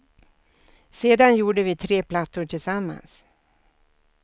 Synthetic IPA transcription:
seːd̪anjuːɖəvɪt̪ʰɾeːpʰlat̪ːʊʈʰɪlsamːa̰ns

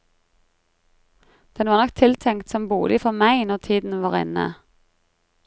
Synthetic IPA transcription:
d̪̥ɛnʋɑːʁnɔkt̪ʰɪlt̪ʰɛŋkt̪sɔmbuːlʔɪfɔmæɪnɔʁt̪ʰiːd̪n̩ʋɑːʁɪ̰nə̰

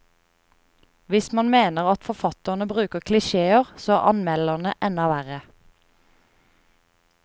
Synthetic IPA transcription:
ʋɪsmɑnmeːnəʁɑt̪fɔfɑt̪əʁnəbʁʉːkəʁkʰlɪʃeːəʁsoːæ̰ʔɑ̰nmɛləʁnəʔɛnɑʋæʁə

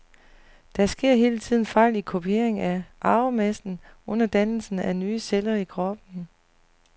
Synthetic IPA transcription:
d̥æsɡ̥e̝ɐ̰ɦe̝ːlət͡sʰið̰ˠn̩fɑ̈ɪ̰likʰo̝pʰie̝̰ɐ̰eŋæʔɑ̈ʊmesd̥n̩ɔ̽n̰ɐd̥ænl̩sn̩ænyːselɐikʰʁɒ̽b̥̚n̩

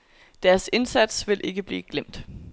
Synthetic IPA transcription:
d̥æɐse̝nsæd̥sʋe̝lʔe̝ɡ̥əb̥lḭːɡ̥lem̰d̥

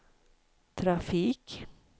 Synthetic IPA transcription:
t̪ʰɾafiːk

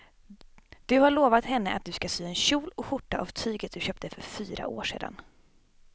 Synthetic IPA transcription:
d̪̥ɵhaɭoːvat̪hɛnːəʔa̰t̪̚d̪ɵskasyːɛnɕuːlɔkɧʊʈːaʔavt̪ʰyːɡət̪̚d̪ɵɕœːp̚t̪əfœɾfyːɾa̰ʔo̰ːʂḛːd̪a̰n

